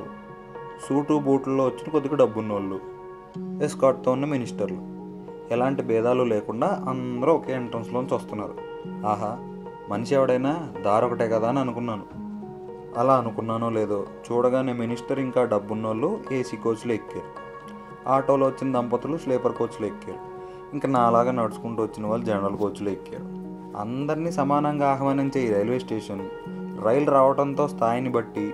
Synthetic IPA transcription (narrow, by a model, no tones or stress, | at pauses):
suːʈuːbuːʈlɐloːʋot͡ʃːinɐkod̪ikuɖɐbːunːoːlːu | eskaːʈ̚t̪ounːɐminisʈɐɾlu | ɛlaːɳʈibɛːd̪aːlulɛːkuɳɖaːʔɐnd̪ɐɾuːɔkeːiɳʈɾɐnslo̞ːnit͡ʃuːst̪unːaːɾu | aːɦa | mɐniʃiɛʋɐɽɐjnaːd̪aːɾɔkɐʈeːkɐd̪aːɐniɐnukunːaːnu | ɐlaːɐnukunːaːnoːleːd̪oːt͡ʃuːɽɐɡaːneːminisʈɐɾiŋkaːɖɐbːunːɐlːueːsikoːɾt͡ʃluekːaːɾu | aːʈo̞ːloːʋɐt͡ʃːinɐd̪ɐmpɐt̪ulusleːpɐɾko̞ːt͡ʃuluekːaːɾu | iŋkaːnaːɐlaːɡaːnɐɽusu̥kuɳʈuːʋɐt͡ʃːinɐʋaːɭːud͡ʒɛnɐɾɐlkoːɾt͡ʃːuluekːa̰ːɾu | ɐ̰nd̪ɐɾinisɐmaːnɐŋɡaːaɦɐʋaːniɲt͡ʃeːjiɾɐjlʋeːsʈeːʂɐn | ɾɐjlɾaːʋɐʈɐnt̪o̞ːst̪ʰaːjɐnibɐʈːi